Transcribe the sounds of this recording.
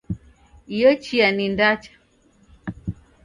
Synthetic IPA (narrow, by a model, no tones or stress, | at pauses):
ijɔt͡ʃianindat͡ʃḁ